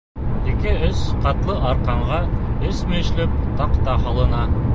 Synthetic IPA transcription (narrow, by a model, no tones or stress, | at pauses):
ekʲeʏsqʰɑt̪lˠəʔɑɾqɑɴʁɑɪsmeʃlɪp̚t̪ʰɑqt̪ɑhɑlˠənɑ